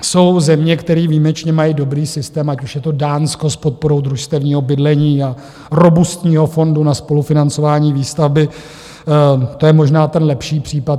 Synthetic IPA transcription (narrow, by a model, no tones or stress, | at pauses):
so̞wzɛmɲɛkt̪ɛɾiːviːmɛt͡ʃɲɛmajiːdo̞bɾiːsɪst̪ɛːmacuʃjɛt̪o̞daːnsko̞spot̪̚po̞ɾo̞wd̪ɾuʃst̪ɛvɲiːɦo̞bɪdlɛɲiːa | ɾo̞bust̪ɲiːɦo̞fo̞ndunaspo̞lufɪnant͡so̞vaːɲiːviːst̪avbɪ | t̪ojɛmo̞ʒnaːt̪ɛnlɛpʃiːpr̝̥iːpat̪